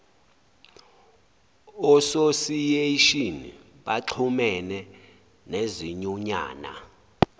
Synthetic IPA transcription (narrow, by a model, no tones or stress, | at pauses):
ɔsosijeiʃini | ɓaǃʰumɛnɛ | neziɲuɲa̰ːna̰